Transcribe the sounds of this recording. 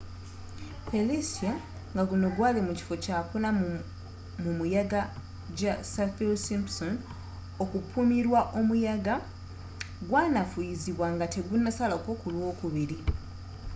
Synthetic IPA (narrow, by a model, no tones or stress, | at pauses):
felisija | ŋɡaɡuno̞ɡwaːlemuci̥fo̞caːpuna | mumujaɡa | ɟasafelsimpson | o̞kupʰumiɾwaʔo̞mujaɡa | ɡwaːnafuiziβwaŋɡate̞ɡunːasalakokulwo̞ːkuβiɾi